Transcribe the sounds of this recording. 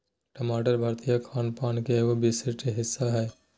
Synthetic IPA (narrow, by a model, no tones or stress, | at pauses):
ʈɐmaːʈəɾbʱɐɾt̪ijakʰaːnpaːnkeʋobisɪɾʈeɦɪsːaɦɛː